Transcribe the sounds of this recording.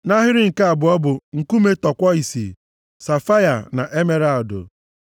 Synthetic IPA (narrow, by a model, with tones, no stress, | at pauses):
na˦ɦɪ˦ɾɪ˦ŋ̩˨ka˦a˨bʊ˨ɔ˦bʊ˨ŋ̩˨ku˦me˦tɔ˨kʷɔ˦i˨sḭ˨ | sa˨fa˦ja˨na˨ʔe˦me˦ɾa˨dʊ̰˨